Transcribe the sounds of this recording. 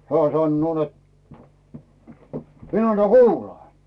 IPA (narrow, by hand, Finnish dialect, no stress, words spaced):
hæː sɑnːoː net min ɑnːɑ kuːlɑː